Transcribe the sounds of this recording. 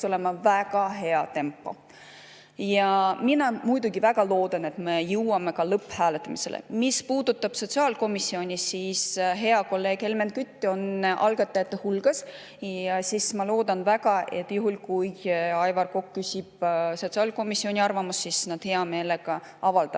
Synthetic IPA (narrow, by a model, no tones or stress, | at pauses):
o̞le̞mɑvæɡ̥ɑɦe̞ɑt̪e̞mpːˑo̞̰ | jɑminɑmujd̪uɡivæɡ̥ɑlo̞ːd̪̥ɑne̞t̪me̞jɯwɑme̞kɑlɤpːˑhæːlet̪ːˑɑmise̞lḛmispuːd̪̥ut̪ːˑɑb̥so̞t̪siɑːlko̞misːio̞nʲisisɦe̞ɑko̞lːe̞ːɡ̥he̞lmen̚kyt̪ːo̞nʔɑ̰lɡɑt̪ːˑɑjɑt̪ːˑehulɡ̥ɑs | jɑsismɑlo̞ːd̪̥ɑnvæɡ̥ɑʔe̞t̪ːˑjuɦulkujɑjvɑrko̞kːysʲib̥so̞t̪siɑːlko̞misːionʲiɑrvɑmusːisnɑd̪̥he̞ɑme̞ːle̞ɡ̥ɑ | ɑvɑld̪̥ɑ